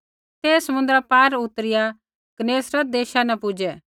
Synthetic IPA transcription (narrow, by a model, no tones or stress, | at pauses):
t̪eːsəmʊ̃nd̪ɾapaːɾʊt̪əɾɪja | ɡ̥əneːsɾɐd̪eːʃanɛpʊd͡ʒɛ